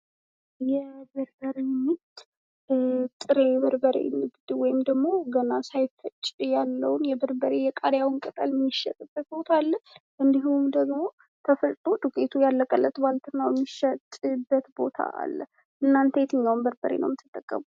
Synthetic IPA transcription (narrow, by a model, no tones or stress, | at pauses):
jɛbəɾbəɾemɨt̪ː | t̪ʼɨɾeβəɾbəɾḛmːɨd̪d̪wɔjɪmd̪əɡmo̞ɡənasajfɨt͡ʃʼjalːəwnjɛbəɾbəɾejɛkʼaɾjawnkʼət̪ʼəlmiʃːə̰t̪ʼɨbːət̪̚bo̞t̪ʰalːə | ʔɨnd̪iɦumd̪əɡmo̞ | t̪ʰəfət̪ʼt̪ʼod̪ukʼet̪ʰujalːəkʼəlːət̪balt̪ʰɨnːawjɛmːiʃət̪ʼɨbːət̪bo̞t̪ʰa̰ʔa̰lːə̰ | ʔɨnːant̪ʰəjɛt̪ʰɨɲːawnbəɾbəɾḛnʔə̰wmɪt̪ʰːɨt̪ʼːəkʼːə̰mu